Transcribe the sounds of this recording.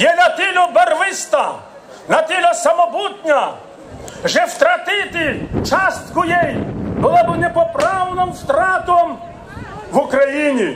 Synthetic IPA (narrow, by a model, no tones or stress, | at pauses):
jɛnɐt̪ilʲɔbɛrʋɪst̪ɐ | nɐt̪ʲilʲɔsɐmɔbut̪ʲnʲɐ | ʒɛwt̪ɾɐt̪ɪt̪ɪt͡ʃɑst̪kʊjɛjbʊlˠabɪnɛpɔpɾɑwnɔmft̪ɾɑt̪ɔm | ʋʊkɾɐjinʲi